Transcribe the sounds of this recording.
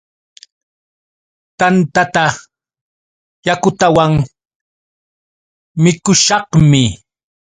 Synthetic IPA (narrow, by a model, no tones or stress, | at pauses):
t̪ant̪at̪a | jakʊt̪awaŋ | mɪkʊʃɑhmɪ